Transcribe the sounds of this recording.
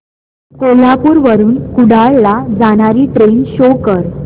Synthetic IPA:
kolapuːɾʋəɾuːnkuɽaɭlad͡zaɽ̃aɾiːʈɾenɕokəɾ

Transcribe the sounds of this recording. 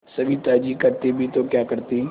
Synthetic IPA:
sɐbʱit̪aːd͡ʒikɐɾt̪ebʱit̪okjaːkɐɾt̪eɦɛ̃

